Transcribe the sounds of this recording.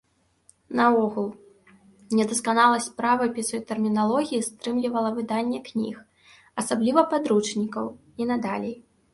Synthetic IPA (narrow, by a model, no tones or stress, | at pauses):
nɐɔɣulˠ | nʲɛd̪ɐskanalˠɐsʲpɾavɐpʲɛsɔjt̪ɛrmʲinalˠɔɣʲijist̪ɾɨmlʲivɐlˠɐvɨd̪anʲːɛknʲḭx | ɐsablʲivɐpad̪ɾut͡ʂnʲikɐw | inɐd̪alʲej